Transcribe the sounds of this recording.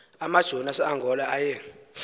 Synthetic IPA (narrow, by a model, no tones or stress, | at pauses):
amad̥ʒ̥ʱɔnasɛaŋɡʱɔlaajɛ